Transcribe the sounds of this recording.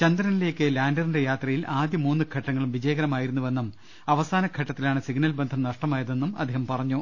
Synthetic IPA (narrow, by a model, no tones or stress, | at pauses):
t͡ɕɐnd̪ɾɐnile̞ːkːɨlaːndɐrinde̞jaːt̪rɐjilʔaːd̪jɐmuːnːɨkʰɐʈːɐŋːɐɭumʋid͡ʑɐjɐɣɐɾɐmaːjiɾunːuʋe̞nːum | ɐʋɐsaːnɐkʰɐʈːɐt̪ːilaːɳɨsiɡnɐlbend̪ʱɐmnɐʂʈɐmaːjɐðenːumɐd̪ʱːeːhɐmpɐrɐɲːu